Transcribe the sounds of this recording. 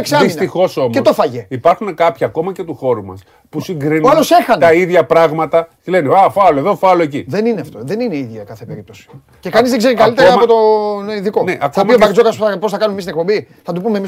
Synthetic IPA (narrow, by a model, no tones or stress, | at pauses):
eksɐisnt̪ixo̞so̞met̪ofɐʝeipɐɾxune̞kɐpçɐːko̞mɐce̞t̪uxo̞ɾumɐ̰s | pusiŋɡɾinolose̞xɐnɐiðʝɐpɾɐɣmɐt̪ɐt̪ile̞neafɐloeðo̞fɐloeciðenineɐft̪o̞ðe̞nineiðʝɐkɐθepe̞ɾip̚t̪o̞si̥o | ce̞kɐnizðeɡze̞ɾikɐlit̪eɾɐmo̞t̪oiðikoneʔɐkɐomiobɐkd͡zokɐspuθɐpo̞sθɐkɐnumemist̪inek̚po̞bi | θɐt̪upumemi